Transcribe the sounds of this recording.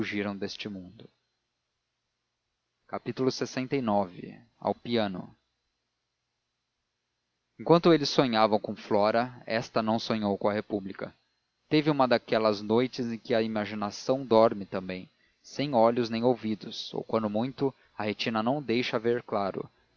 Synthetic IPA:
uʒiɾɐ̃w̃d̪est͡ʃɪmũnd̪ʊ | kapit̪ulʊsesẽnt̪ɐjnɔvɪ̰ | a̰wpiɐ̃nʊ̰ | ẽkwɐ̃nt̪ʊelɪsõɲavɐ̃w̃kõflɔɾɐɛst̪ɐnɐ̃w̃sõɲowkõɐhepublikɐ | t̪evɪũmɐd̪akɛlɐznojt͡ʃɪzẽkɪɐimaʒinasɐ̃w̃d̪ɔɾmɪt̪ɐ̃mbẽj̃ | sẽj̃ɔʎʊznẽj̃owvid̪ʊso̰wkwɐ̃nd̪ʊmũj̃t̪ʊ | ɐhet͡ʃinɐnɐ̃w̃d̪ejʃɐveɾklaɾʊ̰

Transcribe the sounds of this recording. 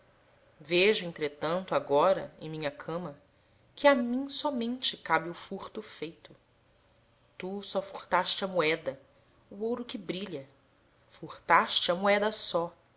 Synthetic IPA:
veʒʊẽnt̪ɾet̪ɐ̃nt̪ʊaɡɔɾɐ̰ḛ̃j̃mĩɲɐkʰɐ̃mɐ | kʰɪamĩsɔmẽnt͡ʃɪkabɪʊfuɾt̪ʊfejt̪ʊ | t̪usɔfuht̪aʃt͡ʃɪɐmuɛd̪ɐ | uowɾʊkɪbɾiʎɐ | fuht̪aʃt͡ʃɪɐmuɛd̪ɐsɔ

